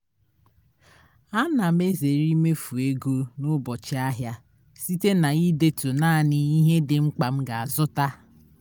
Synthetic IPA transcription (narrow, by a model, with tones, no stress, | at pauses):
a˦na˨m̩˦e˦ze˨ɾi˦me˦fu˨e˦ɡo˦nʊ˦bɔ˨t͡ʃɪ˦a˦ɦja˦ | si˦te˦na˨i˦de˦to˨naː˦˨nɪ˦i˦ɦe˦dɪ˨ŋ͡m̩˦k͡pa˨m̩˦ɡa˨a˨zʊ˦ta˦